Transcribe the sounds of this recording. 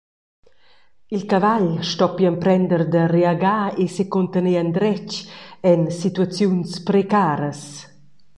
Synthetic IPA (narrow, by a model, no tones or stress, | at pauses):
ilkavaʎʃtɔpjampɾɛnd̪əɾd̪əreaɡaesekont̪əneand̪ɾɛt͡ʃɛnsit̪uat͡sjunspɾekaːɾəs